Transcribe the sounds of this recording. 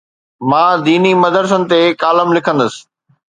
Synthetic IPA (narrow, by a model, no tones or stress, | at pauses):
mãːd̪iːnimɐd̪əɾs̬ənɪ̆t̪ekaːləmlɪkʰə̃nd̪əsɪ̥̆